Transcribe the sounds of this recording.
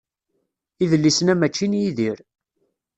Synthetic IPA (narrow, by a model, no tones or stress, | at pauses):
iðəlːisnæmæt͡ʃːinjiðiɾ